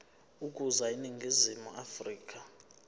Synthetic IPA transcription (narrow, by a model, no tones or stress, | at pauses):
ukʼuzainiŋɡʱizimṵafriːk̬ʼa